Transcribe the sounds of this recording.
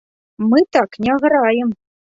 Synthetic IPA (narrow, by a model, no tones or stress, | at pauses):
mɨt̪ɑknʲɑɣɤ̆ɾɑjɘ̆m